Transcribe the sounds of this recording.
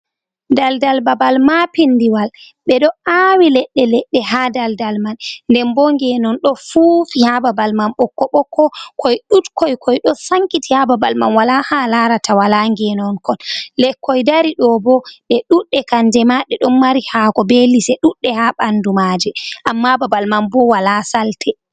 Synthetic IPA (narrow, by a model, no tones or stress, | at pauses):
daldalbabalmapindiwal | ɓɛɗɔawilɛɗːɛlɛɗːɛɦadaldalmanndɛmbɔŋɡɛnɔnɗɔfufihababalmanɓɔkːɔɓɔkːɔkʰɔjɗutkɔjkʰɔjɗɔsaŋkitihababalma̰nwalahalaɾatawalaŋɡɛnɔnkɔnlɛkːɔjdaɾiɗɔbɔɓɛɗuɗːɛkand͡ʒɛmaɗɛɗɔmːaɾihakɔbelisɛɗuɗːɛhaɓandumad͡ʒɛʔamːababalmambɔwalasaltʰɛ